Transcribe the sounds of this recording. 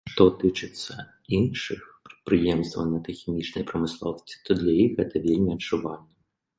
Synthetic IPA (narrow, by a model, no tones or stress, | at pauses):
ʂt̪ɔt̪ɨt͡ʂɨt̪sʲːɐ | inʂɨxpɾɛ̥t̪̚pɾɨjɛmst̪vɐ̰nʲːɐt̪ɐjxʲimʲit͡ʂnɐjpɾɐmɨslˠɔwsʲt͡s̪ʲi̥t̪ɔd̪lʲɐjixɣɛt̪ɐvʲelʲmʲiɐdt͡ʂuvalʲnɐ